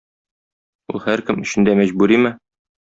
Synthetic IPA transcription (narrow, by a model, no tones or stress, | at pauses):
ulˠhæɾkɘmɵ̆ɕɘ̆nd̪æmæʑbʉɾimɘ